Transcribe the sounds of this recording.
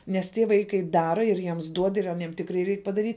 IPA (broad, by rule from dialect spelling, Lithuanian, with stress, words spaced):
nʲɛs ˈtʲiɛ ˈʋɐɪkɐɪ ˈdɑːrɐ ɪr ˈjiɛms ˈduɔt ɪr ɐˈnʲiɛm ˈtʲɪkrɐɪ ˈrʲɛɪk pɐdɐˈrʲiːtʲ